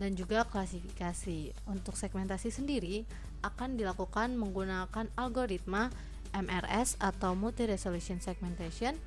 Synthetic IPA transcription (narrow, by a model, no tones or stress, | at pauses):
dand͡ʒuɡaklasifikasi | unt̪ʊksɛɡ̚mɛnt̪asisəndiɾi | ʔakandilakukanməŋɡunakanalɡoɾit̪̚ma | ʔɛmʔɛrɛsat̪awmult̪iɾɛsolusiɔnsɛɡ̚mɛnt̪asiɔn